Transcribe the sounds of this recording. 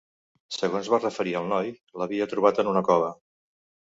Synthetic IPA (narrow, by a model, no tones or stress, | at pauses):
səɣonzβarəfəɾiəlˠnɔjləβiət̪ɾuβat̪ənunəkɔβə